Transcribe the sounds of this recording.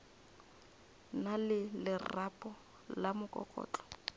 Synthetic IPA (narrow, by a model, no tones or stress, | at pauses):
nalɪlɪrapʼɔ | lamʊkʼɔ̰kʼɔ̰ːt͡ɬʼɔ̥